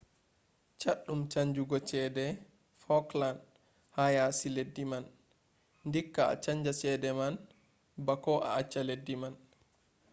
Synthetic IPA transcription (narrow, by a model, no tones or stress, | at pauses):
t͡ʃaɗːumt͡ʃaɲd͡ʒuɡɔt͡ʃɛːdɛ | fɔkland | hajasiledːiman | ndikːaa̰t͡ʃaɲd͡ʒasɛːdɛman | bakɔʔa̰at͡ʃːaledːiman